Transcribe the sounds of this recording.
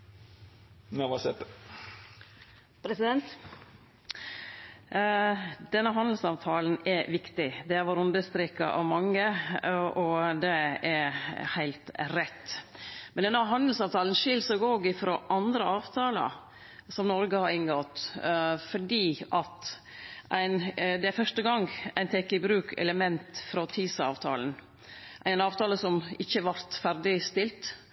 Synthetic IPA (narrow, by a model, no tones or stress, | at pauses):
noʋɑsɛt̪ | pʰɾɛsɪd̪ɛnt̪ | d̪̥ɛnːəɦɑnd̪l̩sɑːʋt̪ʰɑːlənɛɾʋɪkt̪ɪd̪ɛæɾʋoɾʉnd̪əst̪ɾɪkɑ̰ʔɑ̰ʋmɑŋːəʔɔd̪ɛɛɾhæɪlt̪ɾɛt̪ːmɛnd̪ɛnːəɦɑnd̪lsɑːʋt̪ʰɑːlən̩ʃɪlsɔɡoːɡɪfɾo̰ːʔɑnd̪ɾəɑːʋt̪ʰɑːlə̰ | sɔmnɔɾɡəhɑɾɪŋɡot̪ | fɔɖiːʔɑt̪ | ʔæɪnd̪ɛæfœʂʈəɡɑŋæɪnt̪ʰɛkːɪbɾʉːkʰɛ̰ləmɛnt̪fɾɔt̪ʰiːsɑ̰ːʋt̪ʰɑ̰ːlən | ʔæɪnɑːʋt̪ʰɑːləsɔmɪçːəʋɑɾt̪fæɾd̪ɪst̪ɪlt̪